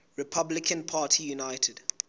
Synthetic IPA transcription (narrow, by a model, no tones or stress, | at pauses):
ɹɪpʰablɪkʰə̃npʰaːtʰijunaɪtʰəd